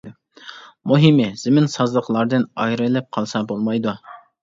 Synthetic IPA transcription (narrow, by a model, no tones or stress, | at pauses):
muɦimɪz̥ɪmɪnsɑzlˠəqlˠɑɾd̪ɨnɑjɾɨlɛp̚qʰɑlˠsɑbolˠmɑjd̪u